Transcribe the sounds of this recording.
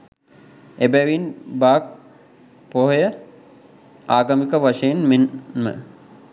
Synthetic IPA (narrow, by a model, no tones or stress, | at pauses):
ebæʋinbaːk̚ | poɦojə | aːɡɐmikəʋaʂejenmenmə̰